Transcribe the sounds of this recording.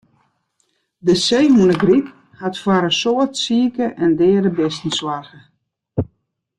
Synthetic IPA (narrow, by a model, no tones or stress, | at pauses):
dəsejɦunəɡrip | hatfwaɾəsoətsiəkəʔɛndɛːəɾəbɪstn̩swarɣə